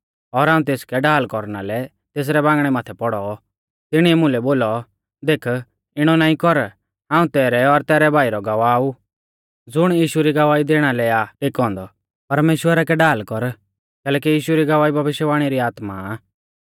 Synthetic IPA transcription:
ɔɾɦaːũt̪eːskɛɖaːlkɔɾnalɛ | t̪eːs̬ɾɛbãːŋɡɽ̃ɛmaːt̪ʰɛpɔɽɔ | t̪ɪɽ̃iɛmʊ̃lɛboːlɔ | d̪eːkʰ | ɪɽ̃ɔnaːĩkɔɾ | ɦãːũt̪ɛːɾɛɔɾt̪ɛːɾɛbʱaːiɾɔɡɐʋaːu | d͡zʊɽ̃jiːʃuɾiɡɐʋaːid̪eːɽ̃alɛaʈɪkɔ̃ːnd̪ɔ | pɐɾmeːʃwəɾakɛɖaːlkɔɾ | kɛːlɛːk̬ijiːʃuɾiɡɐʋaːibʱɐbɪʃjəʋaːɽ̃iɾiaːt̪ma̰

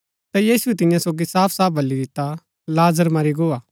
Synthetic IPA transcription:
t̪ajiːsuɛt̪ɪjãsoːɡisaːpʰsaːp̚ʰbʱɐlːid̪ɪt̪ːa | laːzəɾmaːɾiɡoːaː

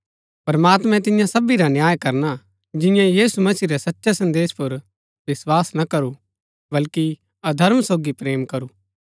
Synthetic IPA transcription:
pɾɐmaːt̪mɛ̃t̪ɪjãsɐbiɾanjaːjkɐɾna | d͡ʒɪ̃jãjiːsumɐsiːɾɛsɐtːʃasɐ̃nd̪eːspʊɾ | ʋɪswaːsnɐkɐɾu | bɐlki | ɐd̪ʱɐɾmsoːɡipɾeːmkɐɾuː

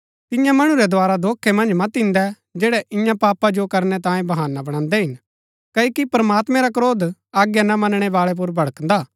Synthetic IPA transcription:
t̪ɪjãmɐɽ̃ũɾɛd̪oaːɾad̪oːkʰːemɐ̃nd͡ʒmɐt̪ɪ̃nd̪ɛ | d͡ʒɛːɽɛʔɪjãpaːpad͡ʒokɐɾnɛt̪ãːjẽbɐɦaːnabɐɽ̃ãːnd̪ɛɦɪn | kɐokipɾɐmaːt̪mɛ̃ɾakɾoːd̪aːɡjanamɐnɽ̃ɛʋaːɭɛp̬ʊɾbɐɭəknd̪aː

